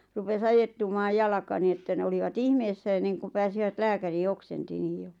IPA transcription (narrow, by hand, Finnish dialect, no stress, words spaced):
rupes ɑjetːumɑːj jɑlɑkɑ niː etːæ ne oliʋɑt ihmeːsːæ enːeŋkum̆ pæːsiʋæt læːkæriː oksenti niːj̆ jo